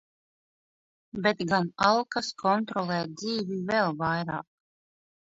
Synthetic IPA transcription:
bet̪ɡanalˠkaskʰɔnt̪ɾɔlˠɛːd̪ziːvʲivɛlˠvajɾa̰ːk̚

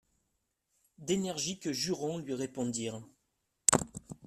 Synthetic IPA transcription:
d̪enɛʁʒikəʒyʁɑ̃lɥiʁepɔ̃d̪iːʁ

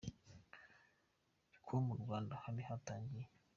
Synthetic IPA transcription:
ikʰomuɾɡwaːndahalihataːɲɡije

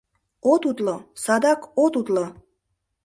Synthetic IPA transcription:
ot̪ut̪losɑd̪ɑkot̪ut̪lo

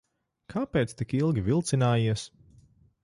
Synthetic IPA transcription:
kʰaːpʲeːt̪st̪ikilˠɡʲivʲilˠt̪sinaːjiɛs

